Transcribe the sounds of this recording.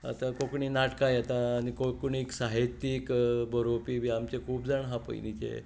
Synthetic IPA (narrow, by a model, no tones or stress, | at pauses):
a̰t̪akokɳinaʈkajat̪aːnikokɳiksaɦit̪ikbəɾopiːʋiamt͡ɕekʰuːpd͡zaɳɦapə̰jnit͡ɕḛ